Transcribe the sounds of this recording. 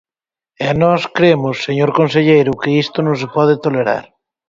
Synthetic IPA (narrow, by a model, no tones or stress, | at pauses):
anɔskɾemosːeɲoɾkonseʎejɾʊkeist̪onõsepɔðet̪oleɾa̰ɾ